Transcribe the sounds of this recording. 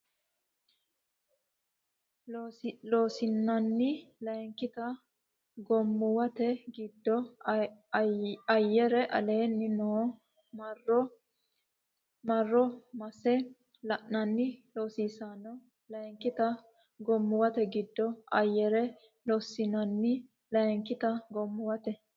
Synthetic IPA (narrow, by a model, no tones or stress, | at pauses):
lo̞ːsɪnːɐnːɪlɐjŋkɪt̪ɐ | ɡɔmːʊwɐt̪ɛɡɪd̪ːɔ | ɐjːɛɾɛʔɐ̰le̞ːnːɪnoː | r | mɐrːɔmɐsɛ | lɐʔnɐnːɪloːsiːsaːnɐ | lɐŋkːɪt̪ɐ | ɡɔmːʊwɐt̪ɛɡɪd̪ːɔɐjːɛɾɛ | loːsːɪnɐnːɪ | lɐŋkːɪt̪ɐɡɔmːʊwɐt̪ɛ